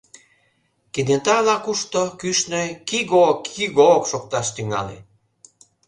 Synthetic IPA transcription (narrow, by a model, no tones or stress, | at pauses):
ked̪ent̪ɑlɑkuʃt̪okyʃnøkiɣokːiɣookʃok̚t̪ɑʃt̪yŋɑ̰lḛ